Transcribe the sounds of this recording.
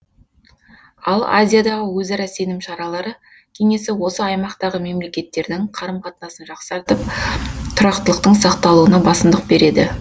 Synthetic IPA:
ɑlˠa̰zʲijad̪ɑʁəwɵzɑɾɑse̞nɪmʃɑɾɑlˠɑɾə | kʲʰe̞ŋe̞sɪwo̞səɑjmɑqt̪ɑʁəme̞mle̞kʲe̞t̪ːe̞ɾd̪ɪŋqʰɑɾəmqʰɑt̪ənɑsənʒɑqsɑɾt̪əp̚t̪ʰʊɾɑqt̪əlˠəq̚t̪əɴsɑqt̪ɑlˠuənɑbɑsəmd̪əq̚be̞ɾe̞d̪ɪ

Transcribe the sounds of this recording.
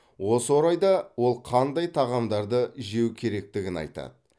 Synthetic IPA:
wo̞səwo̞ɾɑjd̪ɑwo̞lˠqʰɑnd̪ɑjt̪ʰɑʁɑmd̪ɑɾd̪əɪʒe̞wkʲʰe̞ɾe̞k̚t̪ɪɡʲɪnɑ̰jt̪ɑ̰d̪ə

